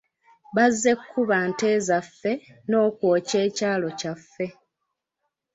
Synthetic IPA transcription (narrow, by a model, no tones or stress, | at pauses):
βazːe̞kʰːuβante̞ːzafːe̞no̞ːkwo̞ːce̞ːcaːlo̞cafːe̞